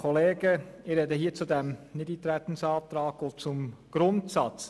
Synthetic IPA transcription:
kʰɔleːɡəɪɾɛdəɦiːt͡sudæmnɪdit̪ɾæt̪ən̩sɑːt̪ɾɑːkot͡sʊmɡ̥ɾʊntsɑt͡s

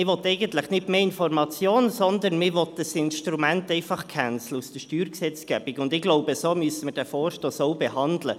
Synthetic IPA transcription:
ɪʋɔt̪ɛɪɡənt̪ləχnɪtmeːɪnfɔrmɑt͡sjoːnsɔnd̪ənmɪʋɔtd̥əsɪnʃtɾumæntɛɪfɑχkʰænt͡sləusd̥əʃtyːɾksɛt͡sɡ̥ɛːb̥ɪkʊndɪɡ̥lɔʊbəsomyəsəmərd̥æfɔːrʃtoːsɔwbehɑnd̪lə

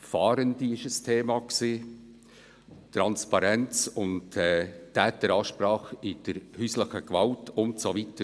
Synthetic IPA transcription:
fɑːɾəndiɪʃəstʰeːmɑksiː | tɾɑnspɑɾɛnt͡sʊntɛːtːɛːtəɾɑːʃpɾɑːχɪd̥əɾhysləχəɡ̥vɑltʊntsovitə

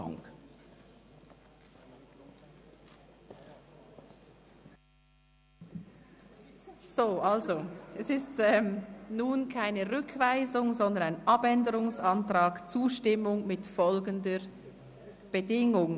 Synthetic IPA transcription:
ŋk | z̥oːʔalzoɛsɪstɛːmnuːnkʰaɪnəʁʏkʰvaɪzʊŋzɔnd̪ənaɪnʔɑbɛndəʁʊŋsɑntʁaːɡt͡suːʃtɪmʊŋmɪtfɔlɡəndə | b̥ədɪŋʊŋ

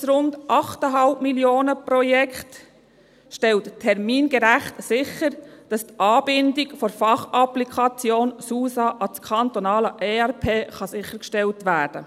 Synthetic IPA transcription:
sɾʊndʔɑχtəɦɑlpmiljoːnəpɾɔjɛkt | ʃtɛlttʰɛɾmiːnɡ̥ɛɾæχtsɪχəɾd̥ɑst̪ʔɑːbɪndikfɔɾfɑχɑplikʰɑt͡sjoːnsuːsɑʔɑt͡skʰɑntonɑːləʔeːɛɾpʰeːχɑsɪçəɾkʃtɛltʋæːɾd̥ə

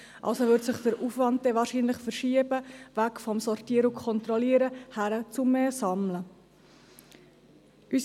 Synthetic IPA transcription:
ʔɑ̰lsoʋʏɾtsəχd̥əɾufʋɑnd̚d̥ɛʋɑːɾʃiːnləχfəɾʃiəbəʋækfɔmsɔrtiːəɾʊkʰɔnt̪ɾɔliːəɾəhæɾət͡sʊmːeːsɑmlə | ʔys

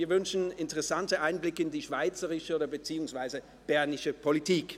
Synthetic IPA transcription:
viːɐvʏnʃn̩ɪntəʁɛsantəʔaɪnblɪkəɪndiːʃv̥aɪt͡səʁɪʃəoːdɐbət͡siːʊŋsv̥aɪzə | b̥ɛɐnɪʃəpʰolitʰiːk

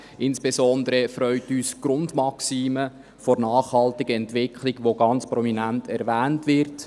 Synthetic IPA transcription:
ʔɪnsb̥esɔndəɾəfɾœʏtyːsɡ̥ɾʊndmɑksiːmə | fɔɾnɑːχhɑltɪɡəɛntʋɪkʰliɡʋoɡɑnt͡spɾɔminæntɛɾʋæːntʋɪrt

